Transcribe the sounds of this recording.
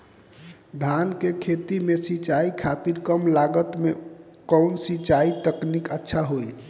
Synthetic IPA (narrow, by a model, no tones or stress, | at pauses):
d̪ʱankekʰet̪imesit͡ʃaikʰat̪iɾkəmlaɡət̪mekɔwnsit͡ʃait̪əknikətːʃʰaɦoj